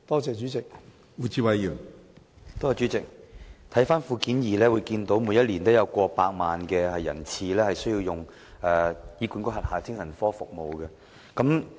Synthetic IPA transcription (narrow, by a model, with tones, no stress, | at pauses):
t̪ɔː˥t͡sɛː˨˧t͡ʃyː˨˥t͡sɪ˨k̚ | wuː˨˩t͡sʰiː˧wɐ˨˧jjyː˨˩ŋ | t̪o˥jɐ˨˧t͡ʃy˨˥t͡sɪ˨k̚t̪ʰɐ˨˥jfaː˥nfuː˧kiː˨˥njiː˨˩lɛː˥wuː˨˧jkiː˧nt̪o˨˥wmu˨˧jɐ˥t̚liː˨˩nt̪o˥wjɐ˨˧wkʷɔː˧paː˧k̚maː˨nkɛː˧hɐ˨jːɐ̰˨˩nt͡sʰiː˧lɛː˥hɐ˨jsɵ˥jiː˧wjʊ˨ŋ | ɛː˨jiː˨˧kuː˨˥nkʊ˥ɦɐ˨t̚haː˨˩t̪ʰɪ˥ŋsɐ˨˩nfɔː˥fʊ˨k̚mo˨wkɛ˧ | kɐ˨˥m